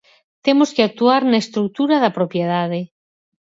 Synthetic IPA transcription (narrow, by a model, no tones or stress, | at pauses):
t̪emoskeak̚t̪uaɾnaest̪ɾuk̚t̪uɾaðapɾopjeð̞að̞e